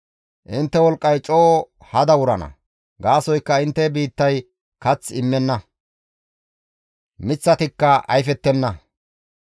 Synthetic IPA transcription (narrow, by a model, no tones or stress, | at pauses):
ʔɪnt̪ːɛwɔlkʼːɐjt͡ʃʼoː | hɐd̪ɐwʊɾɐnɐ̰ | ɡaːsɔjkːɐɪnt̪ːɛbiːt̪ːɐj | kɐt͡sːɪmːɛnːɐ | mɪt͡sːɐt̪ɪkːɐʔɐ̰jfɛt̪ːɛnːɐ